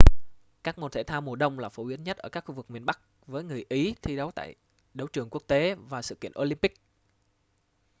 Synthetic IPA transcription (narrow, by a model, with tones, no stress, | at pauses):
kaː˦˥k̚mo˨˩t̪ʰe˧˩t̪ʰaː˧wmo˨˩ɗə˧wŋ͡mlaː˨˩fo˧˩wi˨˦ənɲə˦˥t̚ʔəː˧˩kaː˦˥k̚xu˧vɨ˨˩k̚mi˨˩ənɓa˦˥k̚ | vəː˨˦jŋɨ˨˩əjʔi˨˦t̪ʰi˧ɗə˨˦wt̪a̰ː˧˨j | ɗə˨˦wt͡ɕɨ˨˩əŋku˦˥ək̚t̪e˨˦vaː˨˩sɨ̰˧˨ki˧˨ənʔo˧li˧mpï˦˥k̚